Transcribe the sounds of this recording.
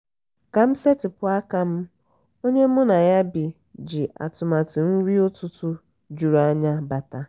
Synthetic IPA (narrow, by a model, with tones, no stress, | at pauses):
ka˨m̩˦se˦tɪ˨pʊ˦a˦ka˦m̩˦ | o˦ɲe˦m̩˦ʊ˦na˨ja˦bi˨ | d͡ʒi˨ʔa̰˨tʊ˨ma˨tɪ˨n̩˦ɾi˦o˦tʊ˦tʊ˦ | d͡ʒu˨ɾa˦ɲa˦ba˨ta˦